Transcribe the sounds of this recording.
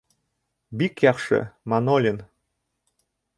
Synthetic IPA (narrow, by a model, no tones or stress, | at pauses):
bikjɑχʂɤ̰mɑnolʲin